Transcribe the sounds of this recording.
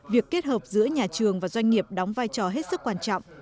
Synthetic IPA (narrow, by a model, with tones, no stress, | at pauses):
vi˨˩əkːe˦˥t̚həː˨˩p̚zɨ̰˧˥əɲaː˨˩t͡ɕɨ˨˩əŋvaː˨˩zwa˧ŋ̟ŋi˨˩əp̚ɗɔ˨˦wŋ͡mvaː˧jt͡ɕɔ˨˩ɦe˦˥t̚sɨ˦˥kːwaː˧nt͡ɕɔ̰˧˨wŋ͡mʔ